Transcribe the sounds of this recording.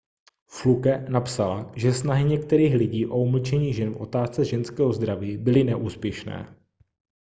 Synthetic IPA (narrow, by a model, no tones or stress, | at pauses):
flukɛnapsalaʒɛsnaɦɪɲɛk̚t̪ɛɾiːxlɪɟiːʔo̞uml̩t͡ʃɛɲiːʒɛnfʔo̞̰t̪aːst͡sɛʒɛnskɛːɦo̞zd̪ɾaviːbɪlɪnɛʔuːspjɛʃnɛ̰ː